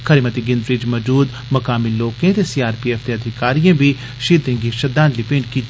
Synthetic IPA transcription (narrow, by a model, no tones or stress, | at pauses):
kʰəɾimət̪iɡɪ̃nd̪ɾɪd͡ʒmɐd͡ʒuːd̪ | mɐkaːmiːloːkẽːt̪esiːaːɾpiːɛːft̪eɐd̪ʱɪkaːɾijãːbʱiː | ʃiːd̪ẽːŋɡiʃəd̪ãːnlipẽːɳɖkiː